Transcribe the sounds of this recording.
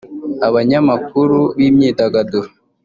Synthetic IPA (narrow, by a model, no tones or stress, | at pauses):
aβaɲamak̚uɾubimɲidaɡado